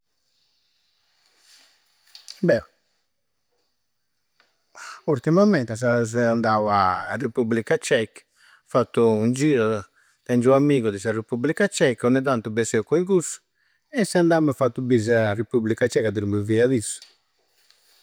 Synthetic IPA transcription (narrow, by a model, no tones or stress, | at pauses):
bɛ | uɾt̪imamɛnt̪as̬azɛand̪awaːrepublikat͡ʃɛk | fat̪ːuund͡ʒiːɾɔ | t̪ɛnd͡ʒuamːiːɣuðisarepublikat͡ʃɛkɔnɛd̪ant̪ubesɛkoikusu̥ | ɛsɛand̪amɛfat̪ːubizarepublikat͡ʃɛkad̪iɾmuviaðisu̥